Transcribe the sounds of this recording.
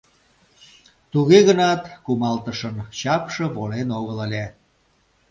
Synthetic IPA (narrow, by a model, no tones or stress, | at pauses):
t̪uɣeɣənɑt̪kumɑlt̪əʃənt͡ɕɑpʃə̆βolenoɣələlʲe